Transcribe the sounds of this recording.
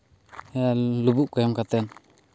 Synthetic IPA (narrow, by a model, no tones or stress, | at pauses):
ɛjalubuʔkɔjɔmkat̪ɛn